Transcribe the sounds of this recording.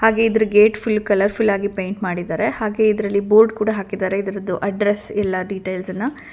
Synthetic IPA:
haːɡe̞id̪ɐɾuɡeːʈpʰulːkɐlɐɾpʰulːaːɡipejɳʈmaːɽid̪aːɾe̞haːɡe̞id̪ɐɾɐlːiboːɾɖkuːɽɐɦaːkid̪aːɾe̞id̪ɐɾɐd̪uʔɐɖɾesɛlːɐɖiʈejlsɐnːɐ

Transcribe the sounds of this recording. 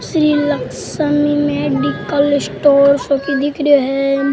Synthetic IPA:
sɾiːlək | səmimẽɖikəlsʈoːɾsokid̪ɪkɾjɦɛ

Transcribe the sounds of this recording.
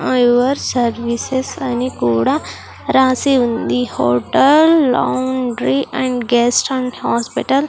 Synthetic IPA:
ajʋɐɾsɐɾʋisesɐnikuːɽa | ɾaːsiund̪ihoːʈəllːa̰wɳɖɾiʔɛ̃ɳɖɡesʈãɳɖhaːspiʈəl

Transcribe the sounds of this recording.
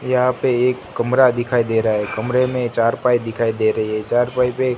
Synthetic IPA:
jəɦãpeeːkːəmɾad̪ɪkʰaːid̪eɾaaɦɛkəmɾemẽt͡ʃaːɾpaːid̪ɪkʰaːid̪eɾɐɦiɦɛt͡ʃaːɾpaːipe

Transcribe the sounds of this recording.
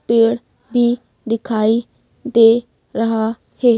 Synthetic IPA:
peːɽ | bʱiː | d̪ɪkʰaːiː | d̪eː | ɾəɦaː | heː

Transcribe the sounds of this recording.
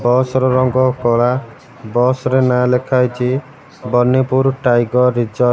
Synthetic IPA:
bɔsɾɔɾɔŋɡɔkɔɭa | bɔsɾenalekʰajt͡ʃʰi | bɔnːepuɾʈajɡɔɾid͡ʒɔ

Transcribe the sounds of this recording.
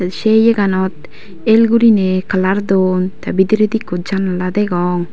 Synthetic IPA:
ʃejeɡanɔt̪̚ | elɡuɾinekəlaɾd̪ont̪abid̪iɾed̪ikːod͡ʒanalad̪ɛɡɔŋ

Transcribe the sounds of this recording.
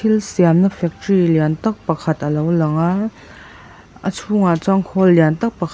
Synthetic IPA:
ilsiamnəfɛk̚triliant̪ɐk̚pɐkʰɐt̪̚ʔəlowlɐŋa | ʔət͡sʰuŋat͡saŋkʰɔlːjant̪ɐk̚pəkʰ

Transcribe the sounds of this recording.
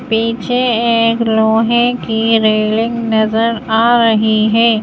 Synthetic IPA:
piːt͡ʃʰeeːkloːɦẽkiɾeːlɪ̃ŋɡnɐzəɾaːɾɐɦiɦɛ̃ː

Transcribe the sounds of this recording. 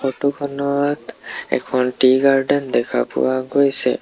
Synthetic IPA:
ɔʈukʰɔnɔat̪ɛ̰kʰɔnʈiɡaɹɖɛnd̪ɛkʰa̰pʊ̰waɡojsɛ̰

